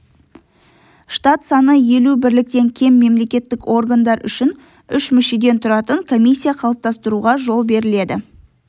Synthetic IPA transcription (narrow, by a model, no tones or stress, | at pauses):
ʃt̪at̪sɑnəje̞lubɪɾlɪk̚t̪e̞ŋkʲʰe̞mːe̞mle̞kʲe̞t̪ːɪko̞rɡand̪ɑɾʏ̰ʃɪn | ʏʃmʏʃe̞d̪e̞nt̪ʰʊɾɑt̪əŋkʰo̞mʲijsʲːijaqʰɑlˠəp̚t̪ɑst̪əɾuʁɑʒo̞lˠbe̞ɾɪle̞d̪ɪ